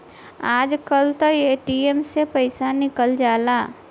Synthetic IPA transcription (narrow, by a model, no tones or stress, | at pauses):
aːd͡ʒkəlt̪əeːʈiemsepəɪsanɪkəld͡ʒaːlaː